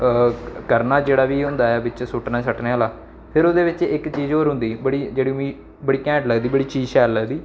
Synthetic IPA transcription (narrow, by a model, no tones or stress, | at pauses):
kəɾnaːd͡ʒeːɽaːʋiːɦʊ̃nd̪aːɛːbɪt͡ʃsʊʈnaːsəʈneaːlaː | pʰɪɾoːd̪eːʋɪt͡ʃɪkt͡ʃiːzoːɾɦʊ̃nd̪iːbəɽiːd͡ʒeːɽiːmiː | bəɽiːkɛ̃ːɳʈləɡd̪iːbəɽiːt͡ʃiːd͡ʒʃɛːlːəɡd̪iː